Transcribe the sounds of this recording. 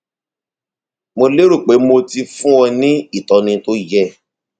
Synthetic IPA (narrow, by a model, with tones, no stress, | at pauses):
mo˧le˦ɾu˦˨k͡pe˨˦mo˧ti˧fũ˦wɔ˧nĩ˦i˦˨tɔ˨nĩ˧to˦jɛ˦˨